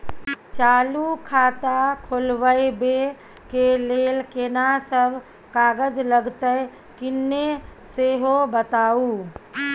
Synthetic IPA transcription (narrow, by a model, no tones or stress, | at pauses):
t͡ʃalukʰat̪akʰolbəjbe | kelelkenasəbʱ | kaɡəd͡ʒləɡt̪əj | kɪnːeseɦobət̪au